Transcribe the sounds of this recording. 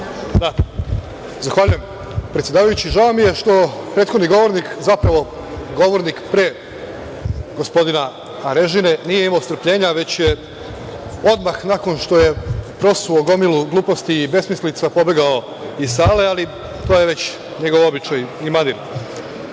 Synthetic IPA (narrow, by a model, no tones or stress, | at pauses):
d̪a | zaxʋaʎuje̞m | pɾet̪sjed̪aːʋajut͡ɕiʒaomːije̞ʃt̪o̞pɾeːt̪xod̪niɡo̞ʋo̞ɾnikzapɾaʋo̞ | ɡo̞ʋo̞ɾnikpɾe | ɡo̞spo̞d̪inaː | ɾe̞ʒine̞nijeimaost̪ɾ̩pʎe̞ːɲaʋe̞t͡ɕje | o̞d̪maxnako̞nʃt̪o̞je̞pɾo̞suoɡo̞milˠuɡlˠuːpo̞st̪iːbe̞smislit̪sapo̞be̞ɡao̞ | isaːle̞alˠi | t̪oːjeʋe̞t͡ɕ | ɲe̞ɡo̞ʋo̞bit͡ʃajimaniɾ